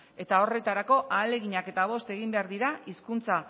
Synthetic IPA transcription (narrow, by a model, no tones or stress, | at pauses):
e̞t̪ao̞re̞t̪aɾako̞ʔaːle̞ɣiɲake̞t̪aβ̞o̞st̪e̞ɣ̞imbe̞aɾðiɾaiskunt͡sa